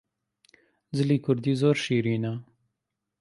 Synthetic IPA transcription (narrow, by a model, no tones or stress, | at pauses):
zɪlikʊɾd̪izoːɾʃiːɾiːna